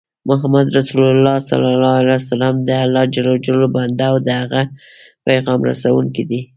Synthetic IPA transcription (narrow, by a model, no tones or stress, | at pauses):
mʊɦamad̪ɾasullːɑsa̰lalɑalasalɑmd̪əalɑd͡ʒalad͡ʒaloband̪aːwd̪əhaɣa | pajɣɑmɾa̰sawuŋkid̪i